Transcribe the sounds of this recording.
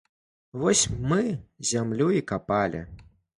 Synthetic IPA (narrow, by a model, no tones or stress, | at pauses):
vɔsʲmɨzʲamlʲuikapalʲḭ